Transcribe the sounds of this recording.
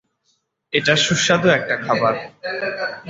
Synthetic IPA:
eʈaʃuʃːad̪oɛk̚ʈakʰabaɾ

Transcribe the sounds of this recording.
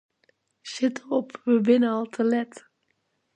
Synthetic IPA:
ʃɪtəɔpʋəbɪnəɑlˠtʰəlɛt

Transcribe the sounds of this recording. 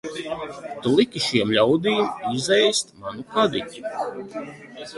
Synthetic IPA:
t̪ulˠikʲiʃiɛmlʲawd̪iːmizɛjst̪manukad̪itʲu̥

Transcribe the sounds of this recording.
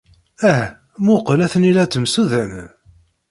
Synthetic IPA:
æh | mʊqəlæθənilæt͡s̪ːəmsuðæn

